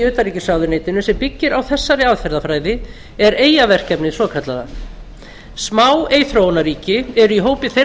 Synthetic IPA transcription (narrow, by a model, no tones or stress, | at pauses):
ʏːt̪aɾriːcɪsawðʏneːjt̪ɪnʏsɛmpɪcːɪɾawθɛsːaɾɪaðfɛɾðafɾaːjðɪ | ɛɾeːjavɛr̥cɛpnɪsɔːkʰat̪laða̰ | smaweːjθɾoːwnaɾiːcɪɛɾʏiɦoːwpɪθe